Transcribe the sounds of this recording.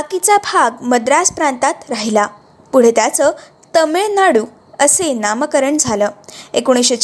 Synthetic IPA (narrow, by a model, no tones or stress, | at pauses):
bakit͡sabʱaɡməd̪ɾaspɾãnt̪at̪ɾaɦila | puɽ̤et̪jat͡sə | t̪əmeɭnaɽuː | əsenaməkəɾəɳd͡zʱaləːekuɽ̃isɕət͡ɕ